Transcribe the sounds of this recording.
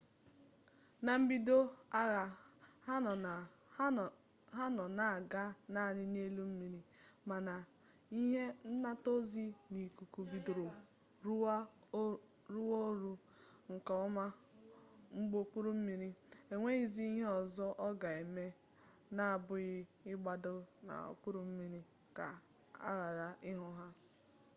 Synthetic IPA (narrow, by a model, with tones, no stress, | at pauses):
na˨m̩˦bi˦do˦a˦ɣa˨ha˦nɔ˨˦˨ | ɦa˦nɔ˨na˨a˨ɡa˦na˦˨nɪ˦n˦e˦lu˦m̩˦mi˨ɾi˦ma˨na˨ | i˦ɦe˦n̩˦na˦to˦zi˦ni˨ku˨ku˨bi˨do˨ɾo˨ | ɾu˦ | ɾu˦wo˦ɾu˦ | ŋ̩˨ka˨ɔ˦ma˦ | ŋ͡m̩˦ɡ͡bo˦k͡pu˦ɾu˦m̩˦mi˨ɾi˦e˨ŋʷe˦i˨zi˦i˦ɦe˦ɔ˨zɔ˦ʔɔ˦ɡa˨e˨me˦ | na˨a˨bʊ˦ɣɪ˦ɪ˦ɡ͡ba˨dʊ˦na̰˨o̰˨k͡pu˦ɾu˦m̩˦mi˨ɾi˦ | ka̰˨ | a̰˦ɣa˨ɾa˨ɪ˦ɦʊ˦ɦa˦